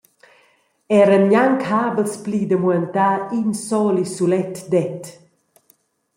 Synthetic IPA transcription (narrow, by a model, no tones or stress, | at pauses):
ɛɾənjaŋkʰaːbəlspliːd̪əmuɛnt̪aːinsɔlisulɛt̪d̪ɛt̪